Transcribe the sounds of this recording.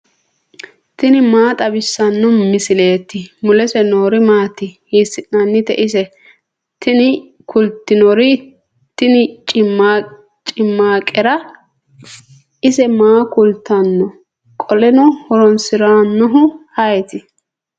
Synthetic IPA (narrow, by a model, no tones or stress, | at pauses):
t̪ɪnɪmaːt̪ʼɐbɪsːɐnːɔmɪsɪle̞ːt̪ːɪmʊlɛsɛnoːɾɪmaːt̪ːɪhiːsɪʔnɐnːɪt̪ɛ̰ʔɪsɛ | t̪ɪnɪ | kʰʊlt̪ːɪnɔɾɪ | t̪ɪnɪt͡ʃʼɪma | t͡ʃʼɪmːaːkʼɛɾɐ | ʔɪsɛmaːkʊlt̪ːɐnːɔ | kʼɔlɛnɔhɔɾɔnsɪɾaːnːɔɦʊhɐjt̪ɪ